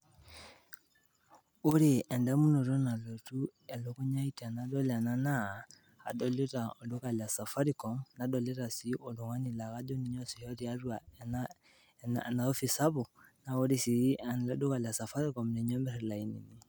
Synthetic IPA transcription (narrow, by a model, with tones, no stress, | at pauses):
o˦ɾe˨ɛ˨ndɛ˦mu˦no˨ɾo˦na˨lo˨tu˦ɛ˨lo˨ko˦ɲa˦i˦ta˨na˨dɔ˦la˨na˦na˦˨ | ha̰˨dɔ˦le˦ta˨o˨do˦ka˨la˨sa˨fa˦ɾi˦kɔ˨mna˨dɔ˨le˦ɾa˨si˦o˨lo˨ŋa˦ni˨la˨ɣa˦d͡ʒo˦ni˨ɲɔ˦si˨hɛ˦ɾi˦a˦ɾwa˨na | n̰na˨o˦fi˨sa˦βo˨na˨o˦ɾe˨si˨˦a˨n˨la˦do˦ka˨la˨sa˨fa˦ɾi˦kɔ˨mne˨ɲɔ˦mbɛ˦ɾɛ˨la˨i˨nḭ˨ni˨